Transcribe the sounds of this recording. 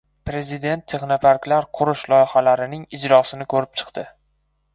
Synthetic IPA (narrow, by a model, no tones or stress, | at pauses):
pɾe̞zɪd̪e̞nt̪ʰːeχnafaɾkʲlaɾqʰʊɾʊʃlˠɒjχalaɾɪnɪŋɪd͡ʒɾɒsɪnɪkʰɵɾɪp̚t͡ʃʰɨ̥qt̪ɪ